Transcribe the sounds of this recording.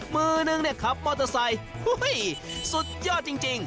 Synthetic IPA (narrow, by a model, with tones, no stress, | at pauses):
mɯː˧nɯ˧ŋni˥˩ɐkʰa˨˦p̚mɔː˧˩t̪ɔ˧sa˧jhu˥˩jsu˨˧˩t̪̚jɔː˥˩t̪̚t͡ɕi˧ŋt͡ɕi˧ŋ